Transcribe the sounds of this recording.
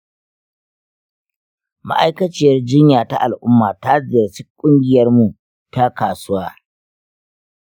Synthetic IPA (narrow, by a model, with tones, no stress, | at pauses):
ma̰˦ʔa˦jkɐ˦t͡ʃɪ˦˨jɐ˦rd͡ʒɪ˦ɲjaː˨ta˦ʔa˨lʔʊ˦mːaː˨ta˦zɪ˨jɐ˨rsɪ˦kkʷʼʊ˦ŋɡʲɪ˨jɐ˦rmu˨ | ta˦kaː˨sʊ˦waː˦